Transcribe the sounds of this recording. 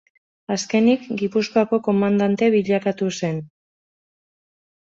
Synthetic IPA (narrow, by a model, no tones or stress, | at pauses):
aske̞nikɡipuskoako̞ko̞mand̪ant̪e̞βiʎakat̪use̞n